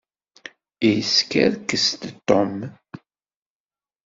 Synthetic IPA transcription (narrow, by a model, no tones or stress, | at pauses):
ijəskæ̰ɾkːəst̪t̪ːɔm